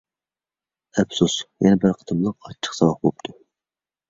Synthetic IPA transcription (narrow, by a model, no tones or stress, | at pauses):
ɛpsusjɛnɛbɪɾqʰə̥t̪ʰɨmlˠəqɑt͡ʃʰːə̥χsɑwɑχbop̚t̪ʰu